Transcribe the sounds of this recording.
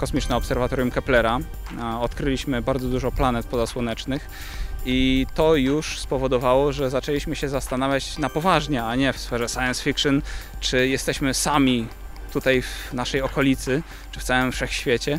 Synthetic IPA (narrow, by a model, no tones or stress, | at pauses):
kɔsmʲit͡ʂnɛɔpsɛɾvat̪ɔɾjumkɛplɛɾa | ɔt̪kɾɘlʲiɕmɘbaɾd̪zɔd̪uʐɔplanɛt̪̚pɔzaswɔnɛt͡ʂnɘx | it̪ɔjuʂspɔvɔd̪ɔvawɔʐɛzat͡ʂɛlʲiɕmɘɕɛzast̪anavʲjat͡ɕnapɔvaʐɲɛaɲɛfsfɛʐɛsajɛnsfʲikʂɨnt͡ʂɘjɛst̪ɛɕmɘsamʲi | t̪ut̪ajvnaʂɛjɔkɔlʲit̪sɘ | t͡ʂɘft̪sawɛɘmfʂɛxɕfʲjet͡ɕɛ